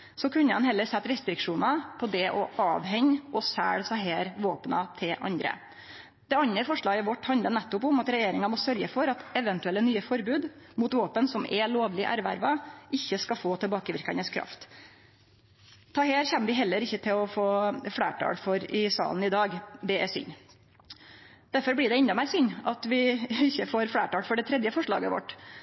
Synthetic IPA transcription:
sɔkʰʉnːəɑnhɛlːəɾsɛt̪ːɾɛst̪ɾɪkʂuːnɑpʰɔd̪ɛʔɔʔɑːʋhɛɲɔsæ̰ːɽsɑɦeːɾʋoːpnɑt̪ʰɪlʔɑ̰nd̪ɾə̰ | d̪̥ɛɑnːəfɔʂɭɑːɡəʋɔʈːhɑnd̪ənɛt̪ːʊpʊmɑt̪ɾɛjeːɾɪŋɑmɔsœɾɡəfɔɾɑt̪ɛʋənt̪ʉɛlːənyːəfɔɾbʉːd̪mʊt̪ʋoːpənsɔmɛloːʋlɪʔæɾʋæ̰ɾʋɑʔɪçːəskɑfoːt̪ʰɪɛlbɑːkəʋɪɾkɑnəskʰɾɑ̰ft̪ | t̪ʰɑːɦeːɾçɛnːəʋɪɦɛlːəɾɪçːət̪ʰɪlɔfoːfɽḛːʈʰɑ̰ːɽfɔɾɪsɑ̰ːln̩ɪd̪ɑːɡd̪ɛɛsʏ̰ɲː | d̪̥æɾfɔɾbɽɪɖ̪ɛɪnd̪ɑmæɪɾsʏɲɑt̪ʋɪɪçːəfoːɾfɽæːʈɑːɽfɔɖɛt̪ʰɾɛd̪jəfɔʂɭɑ̰ːɡəʋɔ̰ʈː

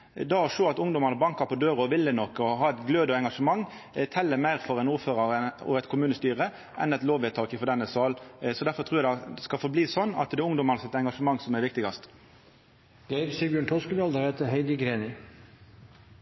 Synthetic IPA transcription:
d̪ɑɔʂoːɑt̪ʊŋd̪ɔmɑnəbɑŋkɑpʰɔd̪øːɾɔʋɪlːənɔkɔɦɑːɛt̪ɡløːd̪əɛŋɡɑʂəmɑŋː | t̪ʰɛlːəmæɪɾfɔɾɛnuːføːɾɑɾəɔ̰ɛt̪kʰʊmʉːnəst̪yːʁə | ʔɛnɛt̪loːʋɛt̪ʰɑːkɪfɔd̪ɛnːəsɑːlsɔd̪æɾfɔɾt̪ʰɾuːɾɛæd̪skɑfɔɾbliːsɔnːɑ̰t̪d̪ɛʊŋd̪ɔmɑnəsɛt̪ɛŋɡɑʂəmɑŋːsɔmæɾʋɪkt̪ɪɡɑst̪ | ɡ̥æɪɾsiːbjøːɳʈ̪ʰɔskəd̪ɑld̪əɾeːt̪əɦɛɪd̪ɪɡɾeːnɪ

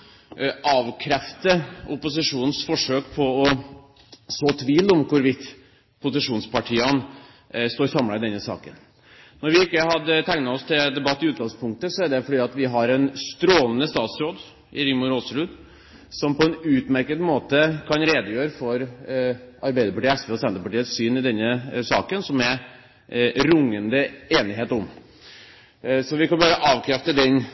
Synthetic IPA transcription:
ʔɑːʋkʰɾɛft̪əʊpʊsɪʂuːnn̩sfɔʂøːkpʰɔɔ | soːt̪ʰʋiːlɔmkʰʊɾʋɪt̪ː | pʰʊsɪʂuːnspɑʈʰiːɑn | st̪oːɾsɑmlɑɪd̪ɛnːəsɑ̰ːkə̰n | nɔɾʋɪɪkːəɦɑd̪ət̪ʰæŋnɑɔst̪ʰɪld̪ɛbɑt̪ːɪʉːt̪̚ɡɑŋspʰʊŋk̚t̪əsɔæɖɛfɔɖiːɑt̪ʋɪɦɑɾɛnst̪ɾoːlnəst̪ɑːt̪sɾoːd̪ | ʔɪɾɪŋmʊɾosəɾʉd̪ | sɔmpɔɛnʉːt̪mæɾkəd̪moːt̪əkʰɑnɾeːd̪əjøːɾəfɔɾ | ɑɾbæɪəɾpʰɑʈiːɛspeːɔsɛnd̪əpɑʈiːət̪syːnɪd̪ɛnːəsɑ̰ːkənsɔmɛɾ | ɾʊŋːənd̪əeːnɪɦeːt̪ɔm | sɔʋɪkɑnbɑːɾəʔɑːʋkʰɾɛft̪əd̪ɛn

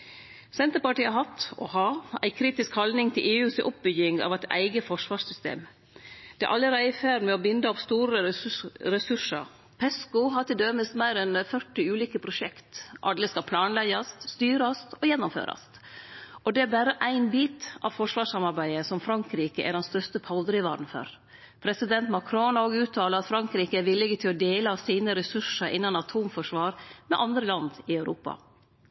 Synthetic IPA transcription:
sɛnt̪əɾpɑʈiːɑɦɑt̪ɔ̰hɑːæ̰ɪkʰɾiːt̪ɪskhɑld̪nɪŋt̪ʰɪlʔeːʉːsɔ̰p̚bʏɡɪŋɑ̰ʋæɪt̪æ̰ɪɡəfɔʂʋɑːʂsʏst̪ḛːm | d̪̥ɛæ̰ʔɑlːəɾæɪfæːɾmɛɔbɪnd̪əɔpst̪uːɾəɾɛsʉʂə̰ɾ | pʰɛskʊɦɑt̪ɪld̪œməst̪mæɪɾɛnfœʈːɪʉːliːkəpʰɾʊʃɛkt̪ʔɑ̰lːəskɑpʰlɑːnlɛɡɑst̪st̪yːɾɑst̪ɔjɛnːʊmfø̰ːɾɑ̰st̪ | ʔɔd̪ɛæɾbæːɾəʔæɪnbiːt̪ʔɑ̰ʋfɔʂʋɑːʂɑmɑɾbæɪəsɔmfɾɑŋkɾiːkəʔæɖɛnst̪œʂt̪əpʰɑld̪ɾɪʋɑ̰ːɖn̩fɔ̰ɾ | pʰɾɛsɪd̪ɛnt̪mɑkʰɾonoːɡʉːt̪ʰːɑːləɾɑt̪fɾɑŋkɾiːkəæʋɪlːɪɡət̪ʰɪlɔd̪eːləɑsiːnəɾɛsʉʂəɾʔɪnːɑnɑt̪ʰuːmfɔʂʋɑːɾmɛʔɑnd̪ɾəlɑnd̪ɪɑʉɾʔuːpɑ̰

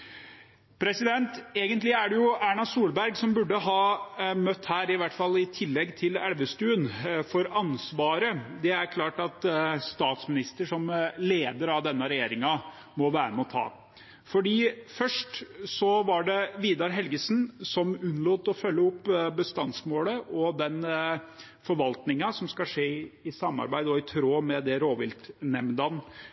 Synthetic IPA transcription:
pʰɾɛsɪd̪ɛnt̪eːɡənt̪lɪæɖɛjʊʔæːɳɑsuːlbæɾɡsɔmbʉɖːəɦɑːmœt̪ːhæːɾɪʋæʈfɑlːɪt̪ʰɪlːɛɡːt̪ʰɪlælʋəst̪ʉːənfɔɾɑnsʋɑːɾəd̪ɛæɾkʰlɑːʈɑt̪st̪ɑːt̪smɪnɪst̪əʂɔmleːd̪əɾɑʋd̪ɛnːəɾɛjeːɾɪŋɑ | mɔʋæːɾəmɛɔt̪ʰɑ̰ː | fɔɖiːfœʂʈsɔʋɑɖɛʋiːd̪ɑɾɦɛlɡəsnsɔmʉnloːt̪ɔfœlːəʊpːbəst̪ɑnsmoːləʔɔd̪ɛn | fɔɾʋɑlt̪nɪŋɑsɔmskɑʂeːɪsɑmːɑ̰ɾbæɪd̪ɔɪt̪ʰɾoːmɛd̪ɛɾoːʋɪlt̪nɛmd̪ɑn

